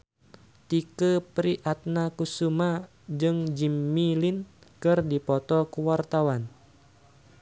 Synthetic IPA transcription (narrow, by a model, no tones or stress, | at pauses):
t̪ikəpɾiʔat̪̚nakusuma | d͡ʒɨŋd͡ʒimːilinkɨrdipɔt̪ɔkuwart̪awan